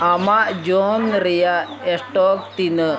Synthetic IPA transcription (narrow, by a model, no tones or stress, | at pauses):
amad͡ʒonɾeja | esʈɔk̚t̪inə